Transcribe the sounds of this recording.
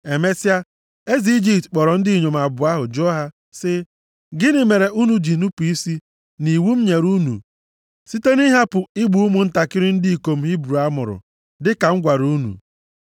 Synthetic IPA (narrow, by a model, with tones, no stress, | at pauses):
e˨me˦si˦a˦ | e˦zi˨i˦d͡ʒi˨ptk͡pɔ˨ɾɔ˨n̩˦di˦˨ɲo˨m˨a˨bʊ˨a˦ɦʊ˨d͡ʒo˦ɦa˦ | sɪ˦ | ɡɪ˦nɪ˨me˨ɾe˨ʔu˦nu˨d͡ʒi˨nu˦pu˨i˦si˦ | ni˨wu˦m̩˦ɲe˨ɾu˦nṵ˨ | si˦te˦ni˦ɦa˦pʊ˨ɪ˦ɡ͡bu˨u˦mʊ˨n̩˦ta˨kɪ˦ɾɪ˦n̩˦di˦i˨ko˨m̩˦ɦi˦bɾu˨a˦mʊ̰˨ɾʊ̰˨ | dɪ˦ka˨ŋ̩˦ɡʷa˨ɾu˦nṵ˨